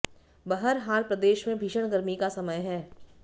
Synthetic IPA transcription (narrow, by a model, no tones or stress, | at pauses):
bɐɦəɾɦaːlpɾəd̪eːʃmẽbʱiʃəɽ̃ɡəɾmikasɐməjɦɛː